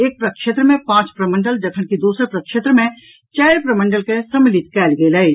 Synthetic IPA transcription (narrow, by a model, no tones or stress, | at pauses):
eːk̚pɾɐkʃet̪ɾəmẽpãːt͡ʃpɾəmə̃ɳɖəld͡ʒɐkʰənkid̪uːsəɾpɾɐkʃet̪ɾəmẽ | t͡ʃɛːɾpɾəmə̃ɳɖəlkesɐmːɪlɪt̪kɛːlɡelɐi